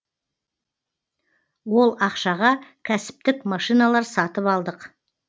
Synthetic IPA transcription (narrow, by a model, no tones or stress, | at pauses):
wo̞lˠɑqʃɑʁɑkʲʰæsɪ̥p̚t̪ɪkmɑʃijnɑlˠɑɾsɑt̪əpɑlˠd̪əq